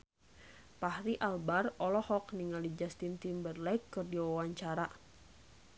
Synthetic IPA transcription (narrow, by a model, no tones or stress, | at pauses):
pahɾiʔalbarɔlɔhɔkniŋalid͡ʒast̪int̪imbərlaikːɨrdiwawaɲt͡ʃaɾa